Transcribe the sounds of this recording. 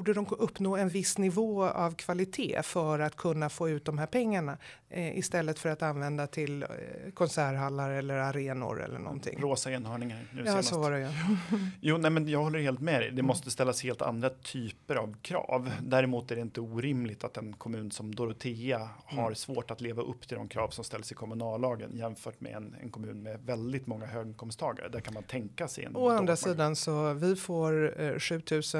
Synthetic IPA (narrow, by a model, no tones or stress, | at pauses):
ɖəd̪ɔmɵpːnoːɛnvɪsːnɪvoːa̰vkʰv̥alɪt̪ʰḛːfœɾat̪kʰɵnːafoːʉ̟ːt̪̚d̪ɔmɦæːɾpʰɛŋːaɳa | ʔɪ̰st̪ɛlːət̪fœɾat̪anvɛnd̪at̪ʰɪlkʰɔnsæːɾɦalːaɾɛlːəɾaɾeːnʊ̰ɾɛ̰lːə̰ɳʔɔ̰nt̪ʰɪ̰ŋɾoːsaɪnhœːɳɪŋaɾnʉ̟ːnasːvaɖɛj | juːnɛmɛnjɑːɡhɔlːəɾheːlt̪mɛɛd̪ɛmɔst̪əst̪ɛlːasheːlt̪ʰa̰nd̪ɾat̪ʰyːpəɾavkʰɾɑ̰ːvd̪æːɾɪmuːt̪æɖɛɪnt̪əuːɾɪmlɪt̪ʰat̪ɛnkʰɔmʉ̟ːnsɔmd̪ɔɾʊt̪ʰeːahaɾsvoːʈat̪leːvaʔɵpːt̪ʰɪld̪ɔ̰mkʰɾɑ̰ːvsɔmst̪ɛlːəsɪkʰɔmɵnɑːlːɑːɡə̰njɛmfœːʈmɛ̰ɛ̰nɛ̰nkʰɔmʉ̟ːnmɛvɛld̪ɪt̪mɔŋːahøːɡkʰɔmst̪ʰɑːɡa̰ɾə̰d̪æɾkʰanmant̪ʰɛŋkasɛ̰ɛ̰nɔand̪ɾasiːd̪ansɔvɪfoːɾɧʉ̟ːt̪ʰʉ̟ːsə